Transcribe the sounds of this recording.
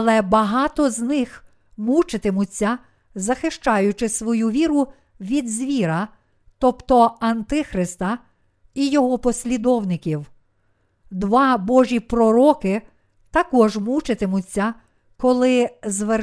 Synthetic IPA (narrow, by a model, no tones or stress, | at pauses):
ɐlˠɛbɐɦɑt̪ɔznɪx | mut͡ʃɪt̪ɪmʊt͡sʲːɐ | zɐxɪʃt͡ʃɑjʊt͡ʃɪsʋɔjuʋʲiɾʊ | ʋʲid̪zʲʋʲiɾɐ | t̪ɔpt̪ɔɐnt̪ɪxɾɪst̪ɐ | ijɔɦɔpɔsʲlʲid̪ɔwnɪkʲiw | d̪ʋɑbɔʒʲipɾɔɾɔkɪ | t̪ɐkɔʒmut͡ʃɪt̪ɪmʊt͡sʲːɐ | kɔlˠɪzʋe